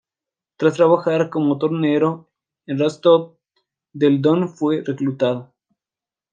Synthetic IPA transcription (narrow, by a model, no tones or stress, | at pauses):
t̪ɾast̪ɾaβaxaɾkomot̪oɾneɾo | enrest̪o | ðeld̪onfwereklut̪aðo